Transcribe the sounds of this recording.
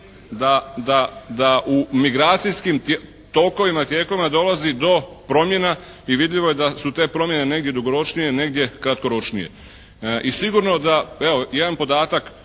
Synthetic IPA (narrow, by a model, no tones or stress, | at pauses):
d̪ad̪ad̪aʔumiɡɾaːt̪sijskim | t̪o̞ko̞ʋimat̪je̞ːko̞ʋimad̪o̞lazid̪o̞pɾo̞mje̞na | iʋid̪ʎʲiʋo̞jed̪asut̪e̞ːpɾo̞mje̞ne̞ne̞ɡd̪jed̪uɡo̞ɾo̞t͡ʃnije̞ne̞ɡd̪je̞kɾat̪ko̞ɾo̞t͡ʃnije̞̰ | isiɡuɾno̞d̪ae̞ojed̪anpo̞d̪aːt̪ak